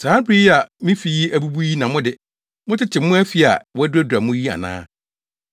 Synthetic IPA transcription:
saː˦pʰɾi˦ja˨mĩ˦fi˨ji˦æ˦˨bu˦bu˦ji˦nã˨mʊ̃˦dɪ˨ | mʊ̃˦tʰɪ˦t͡ɕʰɪ˨mː˦ʊ̃˦æ˦fi˦a̰˨wɔ˦æ˦dæ˦du˨a˨mʊ̃˦ji˦a̰˨nã̰ː˦

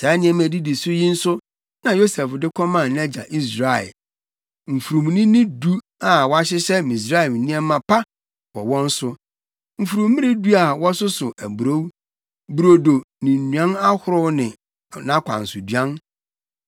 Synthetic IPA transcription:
sa˨˦nɪ̃˦ɛ̃˨mæ˨di˦di˨sʊ˦jĩ˦n̩˦sʊ˦ | nã˨jo˦sɛ˨fdɪ˦kʰɔ˦mã˦˨n˦ɛ˦d͡ʑa̰˨ʔi˦s̬ɾa˨ɛ̰˨ | m̩˨fu˨ɾũ˨m˨nɪ̃˦nɪ̃˦du˦ | a˨wɔ˦a˦ɕ̬ɪ˦ɕɛ˦mĩ˨s̬ɾa˦ɛ˨m˨nĩ˦ɛ˦mã˨pʰa˦ | wɔ̰˨wɔ̃˦n̩˦sʊ˦ | m̩˨fu˨ɾũ˨mmːɪ̃˦ɾɪ̃˦du˦a˨wɔ˦sʊ˦sʊ˨ʔæ˨bu˨ɾo˦w | bu˨ɾo˨do˨nɪ̃˨n̩˨nũ˨ã˦na˦hʊ˦ɾʊ˦nɪ̃˨ | nã˦kʷʰã̰˨n̩˨sʊ˨dɥã˦n

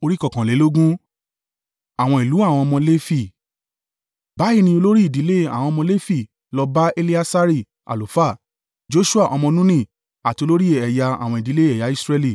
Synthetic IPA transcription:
o˧ɾi˦kɔ˦˨kã˨le˨˦lo˦ɡũ˦ | a˨w̃ɔ̃˧i˨lu˨˦a˦˨w̃ɔ̃˧mɔ̃˧le˦fi˦˨ | ba˨˦i˦˧nĩ˧o˧lo˦ɾi˦i˦˨di˨˦le˦a̰˦˨w̃ɔ̃˧mɔ̃˧le˦fi˦˨ | lɔ˧ba˦e˧li˦a˦sa˦ɾi˦˨ | a̰˨lo˨˦fa˦˨ | d͡ʒo˦ʃu˦a˦˨ʔɔ˧mɔ̃˧nũ˦nĩ˦˨ | a˨ti˧o˧lo˦ɾi˦ɛ˨ja˧a̰˨w̃ɔ̃˧i˨di˨˦le˦ɛ˨ja˨˦i˦sɾɛ˧li˨

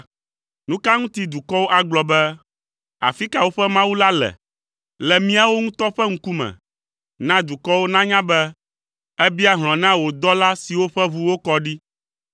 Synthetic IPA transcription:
nũ˦ka˦ŋũ˦t̪i˦d̪u˨kɔ˦wo˦ʔa˨ɡ͡blɔ˨bɛ˦ | a̰˨fi˦ka˨wo˦ɸɛ˦mã˦wu˦la˦lɛ̰˨ | lɛ˨mĩ˦a˨wo˦ŋũ˦t̪ɔ˦ɸɛ˦ŋ̩̃˦ku˦mɛ̰̃˨ | nã˦d̪u˨kɔ˦wo˦nã˦ɲã˦bɛ˦ | ɛ˦bi˦a˦ɦl̃ɔ̃˨nã˦wo˨d̪ɔ˦la˦si˨wo˦ɸɛ˦βu˦wo˦kɔ˦ɖi˦

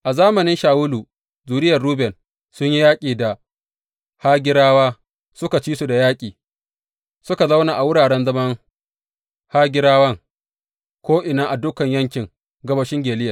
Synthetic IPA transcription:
ʔa˨zaː˦mɐ˨nɪ˦nʃaː˨wʊ˦luː˨ | zuː˨ɾɪ˦jɐ˨rɽuː˦bɛ˨n | sʊ˦ɲji˦jaː˦kʲʼiː˨da˨ | ha˦ɡʲɪ˦ɾaː˦waː˦ | sʊ˦ka˨t͡ʃiː˦su˨da˨jaː˦kʲʼiː˨ | sʊ˦ka˨za˦wnaː˨ʔa˨wʊ˦ɽaː˨ɽɛ˦nzɐ˦mɐ˦ŋ | ha˦ɡʲɪ˦ɾaː˦wɐ˦ŋ | kʷoː˦ʔɪ˨naː˦ʔa˨dʊ˦kɐ˨ɲjɐ˦ŋkʲɪ˨ŋ | ɡɐ˦bɐ˦ʃɪ˦ŋɡʲeː˨lɪ˦jɐ˨

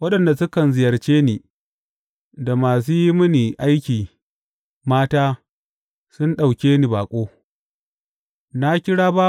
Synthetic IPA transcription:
wɐ˦ɗɐ˨nda˨sʊ˦kɐ˨nzɪ˨jɐ˨rt͡ʃeː˦ni˨ | da˨maː˨s̬uː˦ji˦mʊ˦ni˨ʔa˦jkʲiː˨ | maː˦taː˦ | sʊ˦nɗa˨wkʲeː˦ni˨baː˨kʷʼoː˦ | na˦kʲɪ˦ɽaː˦baː˦

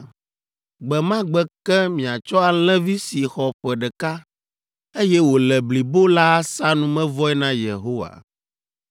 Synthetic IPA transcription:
ɡ͡bɛ˨mã˦ɡ͡bɛ˨kɛ˦mĩ˨a˨t͡ʃɔ˦a˨l̃ɛ̃˦vi˦si˨xɔ˨ɸɛ˨ɖɛ˨ka˦ | e˦jɛ˦wo˨lɛ˨bli˨bo˦la˦sa˦nũ˦mɛ̃˦vɔ˦ɛ˦nã˦jḛ˨ɦo˦wa̰˨

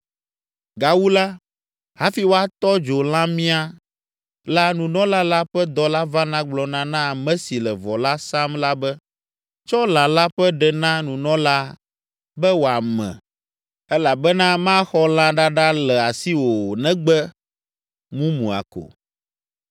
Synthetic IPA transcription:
ɡa˨wu˦la˦ | ha˦fi˦wo˦a˨t̪ɔ˦d͡ʒo˨l̃ã˦mĩ˦a˦ | la˦nũ˨nɔ̃˦la˦la˦ɸɛ˦d̪ɔ˦la˦va˦nã˦ɡ͡blɔ˨nã˦nã˦˨mɛ̃˦si˨lɛ˨vɔ˨la˦sa˦mla˦bɛ˦ | t͡ʃɔ˦lã˨la˦ɸɛ˦ɖɛ˨nã˦nũ˨nɔ̃˦la˦ | bɛ˦wo˨a˨mɛ̰̃˨ | ɛ˦la˨bɛ˦nã˦mã˦xɔ˦l̃ã˦ɖa˦ɖa˦lɛ˨a˨si˦wo˨nɛ̃˦ɡ͡bɛ˦ | mũ˦mṵ̃˨a̰˨ko̰˨

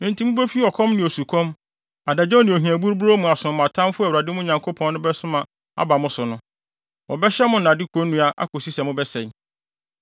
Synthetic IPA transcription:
nɪ̃˨ntʰi˨˦mʊ̃˦be˦fi˦ɔ˨kʰɔ̃˦mnɪ̃˨o˨su˨kʰɔ̃˦m | a˨da˨d͡ʑɔ̃˦nɪ̃˨o˨ɦĩ˨æ˨bu˦ɾbu˦ɾo˦mũ˨a˨sʊ̃˨ã˨tʰã˦mfʊ˦ɛ˨wa˨dɪ˦mʊ̃˦˨ɲã˨ŋkʰo˦pʰɔ̃˨n˦nʊ̃˦bɛ˦sʊ˦mã˨ | a̰˨ba˨mʊ̃˦sʊ˨nʊ̃˦ | wɔ˨bɛ˦ɕɛ˦mʊ̃˦nã˨dɪ˦kʰõ˨˦nːũ˦a˦ʔa̰˦ko˨si˦sɛ˨mʊ̃˦bɛ˦sɛ̃˨n

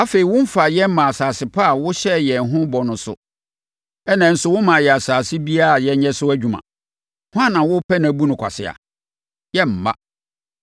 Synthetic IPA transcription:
a˦fe˨i˨wʊ̃˦m̩˦fa˨jɛ˦m̩˦mã˨a˨saː˨sɪ˨pʰa˦a˨wʊ˦ɕɛ˦jɛ˨n˨ɦʊ̃˦bɔ˨nʊ̃˨sʊ̰˨ | ɛ˦nã˨n̩˨sʊ˦wʊ˦mã˨jɛ˨a˨saː˨sɪ˦bi˦a˦˨jɛ˦ɲɛ̃˦sʊ˦æ˦d͡ʑᶣu˨mã̰˨ | hʊ˦ã˦nã˨wʊ˦pʰɛ˦nã˨˦bu˦nʊ̃˨kʰʷa̰˨sɪ˨a̰˨ | jɛ˦m̩˨mã̰˦

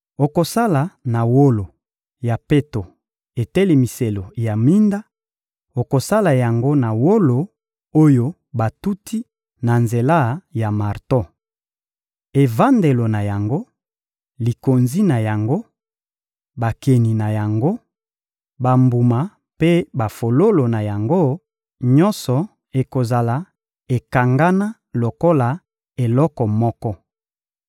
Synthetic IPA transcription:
o˨ko˨sa˦la˨na˨wo˦lo˨ | ja˨pe˦to˨ | e˨te˦le˨mi˨se˨lo˨ja˨mi˦nda˦ | o˨ko˨sa˦la˨ja˨ŋɡo˦na˨wo˦lo˨ | o˦jo˦ | ba˨tu˦tʰi˦ | na˨nze˨la˦˨ja˨ma˨ʁto˦ | e˨va˦nde˨lo˨na˨ja˨ŋɡo˦ | li˨ko˨nzi˦na˨ja˨ŋɡo˦ | ba˨ke˨ni˨na˨ja˨ŋɡo˦ | ba˨mbu˨ma˨ | pe˦ba˨fo˨lo˦lo˨na˨ja˨ŋɡo˦ | ɲɔ˦nsɔ˨ | e˨ko˨za˨la˨ | e˨ka˨ŋɡa˦na˦ | lo˨ko˦la˨ | e˨lɔ˦kɔ˨mɔ˦kɔ˦

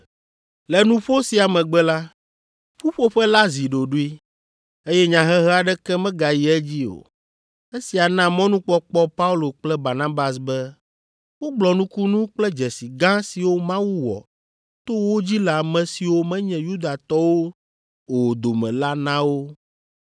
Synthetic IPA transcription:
lɛ˨nũ˦ɸo˦si˨a˨mɛ̃˨ɡ͡bɛ˦la˦ | ɸu˦ɸo˦ɸɛ˦la˦zi˨ɖo˨ɖu˦i˦ | e˦jɛ˦ɲã˨ɦɛ˦ɦɛ˦a˨ɖɛ˦kɛ˦mɛ̃˦ɡa˨ji˨ɛ˦d͡ʑi˦o̰˨ | e˦si˨a˨nã˦mɔ̃˦nũ˦k͡pɔ˦k͡pɔ˦pa˦u˦lo˨k͡plɛ˦ba˨nã˦ba˨sbɛ˦ | wo˦ɡ͡blɔ˨nũ˦ku˦nũ˦k͡plɛ˦d͡ʒɛ˨si˨ɡã˦si˨wo˦mã˦wu˦wɔ̰˨ | t̪o˦wo˦d͡ʑi˦la˨mɛ̃˨si˨wo˦mɛ̃˦ɲɛ̃˨ju˦d̪a˨t̪ɔ˦wo˦ | o˨d̪o˨mɛ̰̃˨la˦nã˦wo˦

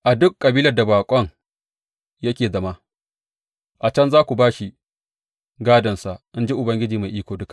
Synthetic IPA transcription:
ʔa˨dʊ˦kʼːɐ˨biː˦lɐ˨rda˨baː˨kʷʼɔ˦ŋ | jɐ˦kʲeː˨zɐ˦˨ma˦ | ʔa˨t͡ʃɐ˦nzaː˦kʷu˨baː˦ʃi˨ | ɡaː˦dɐ˨nsa˨ʔʔɪ˦nd͡ʒi˦ʔʊ˨bɐ˦ŋɡʲɪ˦d͡ʒiː˨ma˨ʔiː˦kʷoː˨dʊ˦ka˨

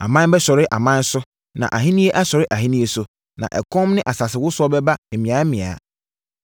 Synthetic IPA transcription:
a̰˨mã˦n˦bɛ˦ɕɔ˨ɾɪ˦ʔa˨mã˦n˦sʊ˦ | nã̰˨ʔa˨ɦĩ˦nĩ˦e˦ʔa˦ɕɔ˨ɾɪ˦ʔa˨ɦĩ˦nĩ˦e˨sʊ˨ | nã̰˨ʔɛ˨kʰɔ̃˦mnɪ̃˦ʔa˨sa˨sɪ˨wʊ˦sʊ˦ɔ˦bɛ˦ba˦e˨mĩ˨a˨˦mĩ˨a̰˨

